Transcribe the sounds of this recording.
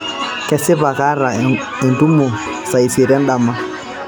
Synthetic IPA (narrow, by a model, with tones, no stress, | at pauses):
kɛ˨sɪ˦βa˨ka˦ɾa˨ | ɛ˨ndu˦mɔ˨ | sa˨i˨si˨ɾa˦nɗa˨ma˦